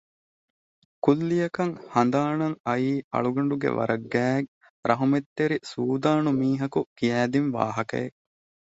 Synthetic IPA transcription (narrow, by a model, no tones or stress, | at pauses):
kulːijɐkɐŋhɐnd̪aːnɐŋɐjiːʔɐ̰ɭuɡɐɳ̆ɖuɡḛʋɐ̰ɾɐɡːæːe | ɾɐɦumet̪ːeɾisuːd̪aːnumiːɦɐkukijæːd̪inʋa̰ːɦɐkɐ̰e